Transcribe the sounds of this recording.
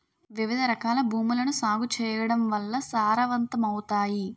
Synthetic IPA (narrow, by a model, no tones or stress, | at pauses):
ʋiʋid̪ʱɐɾɐkaːlɐbʱuːmulɐnusaːɡut͡ʃɛːjɐɽɐmʋɐlːɐsaːɾɐʋɐnt̪ɐmɐwt̪aːji